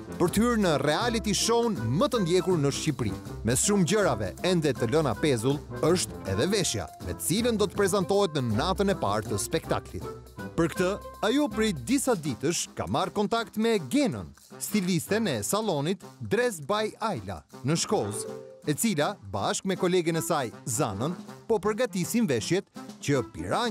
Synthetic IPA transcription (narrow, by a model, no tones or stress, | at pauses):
pəɾt̪əhyɾnərɛalit̪iʃɔnmət̪ənd̪jɛkuɾnəʃcipɾḭmɛsʃumɟəɾavɛ̰ɛnd̪ɛt̪ələna̰pɛzulˠəʃt̪ɛ̰ðɛvɛʃja̰mɛ̰t̪ət͡silənd̪ɔt̪ə̥pɾɛzant̪ɔhɛt̪nənat̪ənɛpa̰ɾt̪əspɛkt̪a̰klḭt̪ | pəɾkt̪əajupɾɛd̪isad̪it̪əʃka̰markɔnt̪akt̪mɛɡɛnə̰n | st̪ilist̪ɛnɛsalˠɔnit̪d̪ɾɛsbajajla̰nəʃkɔzɛt͡silabaʃkmɛkɔlɛɡənɛsajza̰nənpɔpəɾɡat̪isinvɛʃjɛt̪cəpḭɾa